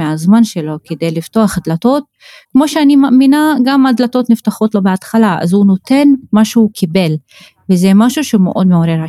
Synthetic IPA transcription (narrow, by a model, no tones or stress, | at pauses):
eazmanʃelo̞ked̪ejlift̪oaχad̪lat̪o̞t̪̚ | kmo̞ʃeanimaʔminaɡamadlat̪o̞t̪nift̪aχo̞t̪lo̞beat̪χalaʔa̰zhuno̞t̪e̞nmaʃuukʰibe̞l | vezemaʃuʃemeʔo̞d̪meoɾeʁa